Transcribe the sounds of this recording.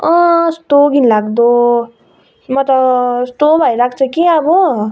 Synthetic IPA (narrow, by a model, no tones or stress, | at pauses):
ʌ̃sʈoɡʱinlaɡd̪o | mʌt̪ʌsʈobʱʌjlak̚t͡sʰʌkiʌbʌ